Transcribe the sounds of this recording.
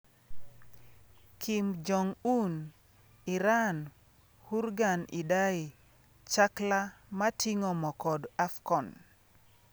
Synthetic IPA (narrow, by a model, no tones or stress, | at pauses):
kʰimd͡ʒɔŋun | ɪɾan | huɾɡanɪdaɪ | t͡ʃaklamatiŋɔmɔkɔdafkɔn